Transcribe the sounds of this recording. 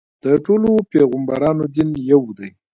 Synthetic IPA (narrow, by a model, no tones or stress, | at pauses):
d̪̥əʈolopeɣəmbaɾɑnod̪injawd̪aj